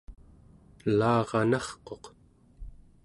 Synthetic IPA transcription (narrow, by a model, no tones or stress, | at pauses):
lɑːʁɑnɑχqo̞q